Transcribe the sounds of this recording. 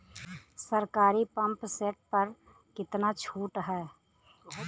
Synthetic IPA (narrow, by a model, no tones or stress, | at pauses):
səɾkaːɾipɐ̃mpseːʈ̚pɐɾ | kɪt̪nat͡ʃʰuːʈɦɛː